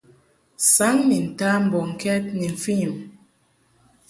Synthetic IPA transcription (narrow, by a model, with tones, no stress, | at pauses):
sa˨˦ŋni˨n̩˨ta˦m̩˨bɔ˨ŋ̩˨kʰɛ˦t̚ni˨ɱ̩˨fi˦˨m